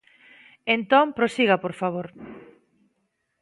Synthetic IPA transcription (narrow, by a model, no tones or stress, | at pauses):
ent̪ompɾosiɣɐpoɾfaβ̞oɾ